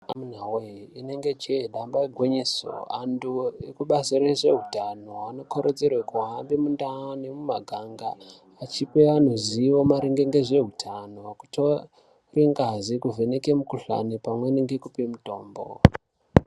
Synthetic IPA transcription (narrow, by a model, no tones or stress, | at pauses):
amun̤aweine̞ŋɡe̞t͡ʃeɗambaeɡʱweɲiso̰anduekuɓasiɾeʐe̞ɦutano̞ano̞kʰoɾod͡zerwekuɦambimundanemumaɡʱaŋɡaː | t͡ʃipean̤oziʋo̞maɾiŋɡe̞ŋɡe̞ʐe̞ɦutʰanoku̥tʰo̞ | riŋɡazikuvenekemukuɬa̰nipamweneŋɡekupemuto̞̰ːmbo̰